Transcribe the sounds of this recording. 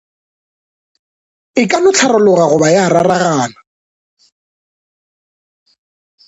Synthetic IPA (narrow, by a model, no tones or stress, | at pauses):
ɪkʼanʊt͡ɬʰaɾʊlʊɣaɣʊbajararaɣaːna